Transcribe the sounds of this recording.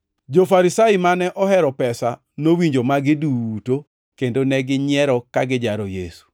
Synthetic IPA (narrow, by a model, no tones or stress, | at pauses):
d͡ʒofaɾisaɪmanɛʔɔhɛɾɔpɛsa | nowiɲd͡ʒomaɡɪduːto | kendonɛɡɪɲɪɛɾɔkaɡɪd͡ʒaɾojesu̥